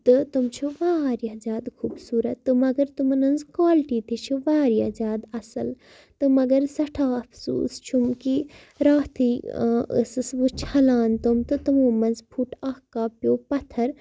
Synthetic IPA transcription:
t̪ɨt̪umt͡ʃʰuʋaːɾjazʲaːd̪kʰuːbsuːɾɐt̪ːɨmɐɡɐɾt̪umnɐnzkwaːlʈiːt̪it͡ʃʰuʋaːɾjaːzʲjaːd̪ɐsɐl | t̪ɨmɐɡɐɾsɐʈʰaːɐpʰsṵːst͡ʃʰumki | ɾaːt̪ʰiə̰sɨsʋut͡ʃʰɐlaːnt̪omt̪ɨt̪ɨmoːmɐnzpʰuʈʰaːhkaːpjoːpɐt̪ʰɐɾ

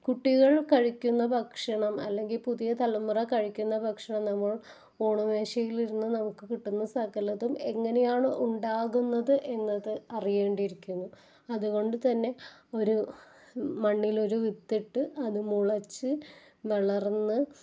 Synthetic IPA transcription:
kuʈːiɣɐɭkɐɻikʲːunːɐbʱɐkʂɐɳɐmɐ̰lːe̞ŋɡilpuðijɐt̪ɐlːɐmːurɐkɐɻikʲːunːɐbʱɐkʂɐɳɐmnɐmːɐɭ | oːɳume̞ːʂɐjiliɾunːunɐmukːɨkiʈːunːɐsɐkɐlɐðume̞ŋːɐne̞jaːɳɨʔuɳɖaːɣunːɐðɨʔe̞nːɐðɨɐrije̞ːɳɖiɾikʲːunːu | ɐðuɣo̞ɳɖɨt̪ɐnːe̞o̞ɾu | mɐɳːilo̞ɾuʋit̪ːiʈːɨʔɐðɨmuɭɐt͡ɕːɨ | ʋɐɭɐrnːɨ

